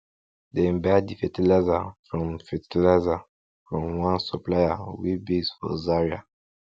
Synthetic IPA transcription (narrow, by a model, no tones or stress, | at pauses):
d̪ẽmbɛdifɛtilɛzafɹɔ̃mfitlɛza | fɹɔ̃mwãnsuplajawibisfɔ̰zaɹia